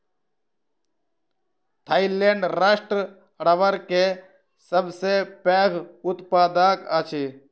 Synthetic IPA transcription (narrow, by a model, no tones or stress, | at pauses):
t̪ʰaːileɳɖɾaːʃʈɾə | ɽəʋəɾke | səbsepeːɡʊt̪paːd̪akət͡ʃʰi